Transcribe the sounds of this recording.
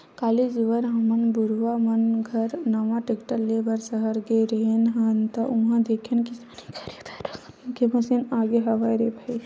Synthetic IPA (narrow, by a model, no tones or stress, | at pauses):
kaːlid͡ʒiʋəɾɦɐmɐnbuɾʋamɐnɡʱɐɾnɐʋãʈekʈəɾlebʱɐɾsɐɦəɾɡeɾenɦãnt̪ɐʔũɦãd̪ekʰenkisanikʰɐɾet̪ʰaɾɐkʰ | kemɐsinaːɡeɦɐʋaːjɾebʱai